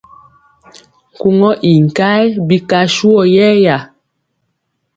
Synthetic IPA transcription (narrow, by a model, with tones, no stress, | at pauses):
ŋ̩˨ku˦ŋɔ˦ʔi˨ŋ̩˨ka˦jbi˦ka˨ʃu˦ɔ˨jɛ˦ja˨